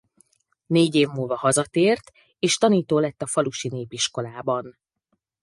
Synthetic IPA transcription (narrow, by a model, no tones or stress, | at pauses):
neːɟeːvmuːlvɒhɒzɒt̪eːrt̪ | eːʃt̪ɒniːt̪oːlɛt̪ːɒfɒluʃineːpiʃko̞laːbɒn